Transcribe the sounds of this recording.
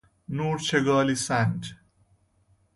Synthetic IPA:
nuːɾt͡ʃʰeɡaːlisãnʈ

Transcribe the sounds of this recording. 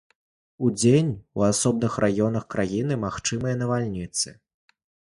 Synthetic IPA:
ud͡zʲenʲuasɔb̚nɨxrʔajɔn̪ɐxkɾajinɨmaxt͡ʂɨmɨjɐnɐvalʲnʲit̪sɨ

